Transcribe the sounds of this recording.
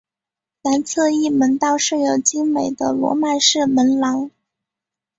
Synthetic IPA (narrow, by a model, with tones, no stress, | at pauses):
na˧˥nt͡sʰɤ˥˧i˥˩mə˧˥nt̪ɑ˥˧ʊʂɻ̩˥˩jo˨˩ʊt͡ɕi˥ŋme˨˩ɪd̪ə˦lwɔ̰˧˥ma˨˩ʂɻ̩˥˩mə˧˥nlɑ˧˥ŋ